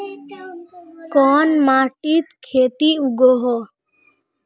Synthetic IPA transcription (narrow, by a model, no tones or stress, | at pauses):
kɔːnmaːʈit̪kʰeːt̪iuɡoɦɔ